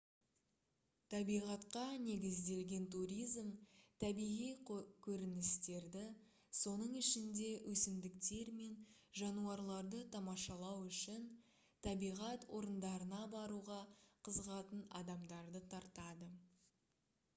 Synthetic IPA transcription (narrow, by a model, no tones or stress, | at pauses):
t̪ʰɑbijʁɑt̪qɑne̞ɡʲɪzd̪e̞lɡʲe̞nt̪uɾʲijzmt̪ʰæbijʁijkʲʰɵɾɪnɪst̪e̞ɾd̪ɪ | so̞nəɴɪʃɪnd̪e̞wʔɵsɪmd̪ɪkt̪e̞ɾme̞nʒɑnuɑɾlˠɑɾd̪ət̪ʰɑmɑʃɑlˠɑwʏʃɪn | t̪ʰɑbijʁɑt̪wo̞ɾənd̪ɑɾənɑbɑɾuʁɑqʰəzəʁɑt̪ənɑ̰d̪ɑmd̪ɑɾd̪ət̪ʰɑɾt̪ɑd̪ə